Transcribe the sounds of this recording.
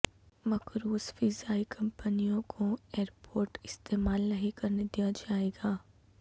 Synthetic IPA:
mɐkɾuːsfizaːikʰɐ̃mpənijõkʰoeːɾpoːɾʈɪst̪eːmaːlnɐɦikɐɾned̪ijad͡ʒaːeːɡaː

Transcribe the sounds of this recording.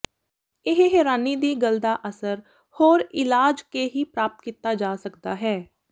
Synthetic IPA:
ɪɦɦɛːɾaːniːd̪iːɡəld̪aːʔəsəɾ | hoːɾɪlaːd͡ʒkeːɦiːpɾaːpət̪̚kiːt̪aːd͡ʒaːsəkd̪aːɦɛː

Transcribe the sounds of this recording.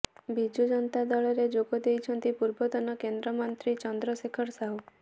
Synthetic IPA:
bid͡ʒud͡ʒɔnt̪ad̪ɔɭɔɾed͡ʒoɡɔd̪ejt͡ʃʰɔnt̪ipuɾbɔd̪ɔnɔkend̪ɾɔmɔnt̪ɾit͡ʃɔnd̪ɾɔsekʰɔɾsaɦu

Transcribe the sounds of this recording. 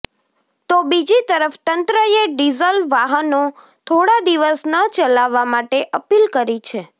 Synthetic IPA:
t̪obid͡ʒit̪əɾəft̪ənt̪ɾəeɖizəlʋaɦəno | t̪ʰoɽad̪iʋəsnət͡ʃəlaʋːamaʈeʔəpilkəɾit͡ʃʰe

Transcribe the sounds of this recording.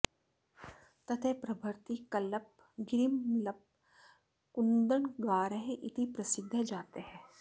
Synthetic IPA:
t̪ɐt̪ʰepɾɐbʱəɾt̪ikɐləp̚ | ɡɪɾimlɐp̚ | kʊnd̪əɳɡaːɾəɦeʔɪt̪ipɾɐsɪd̪ʱːəd͡ʒaːt̪eɦɛ̃ː

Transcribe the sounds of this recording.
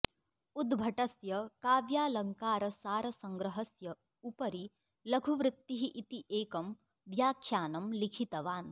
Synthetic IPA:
ud̪bʱɐʈɐsjɐkaːʋjaːlɐŋkaːɾɐsaːɾɐsɐŋɡɾɐɦɐsjɐ | upɐɾi | lɐɡʱuʋɾɪt̪ːiɦiʔit̪iʔeːkɐm | ʋjaːkʰjaːnɐmlikʰit̪ɐʋaːn

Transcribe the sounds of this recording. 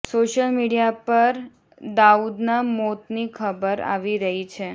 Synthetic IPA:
soʃəlmiɽijapəɾ | d̪aud̪namot̪nikʰəbəɾa̰ʋiɾəɦit͡ʃʰe

